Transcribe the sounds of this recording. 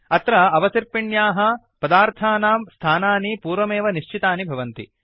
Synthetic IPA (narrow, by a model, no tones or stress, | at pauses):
ɐt̪ɾɐɐʋɐsiɾpiɳjaːɦɐ | pɐd̪aːɾt̪ʰaːnaːmst̪ʰaːnaːnipuːɾʋɐmeːʋɐniʃt͡ʃit̪aːnibʱɐʋɐnt̪ḭ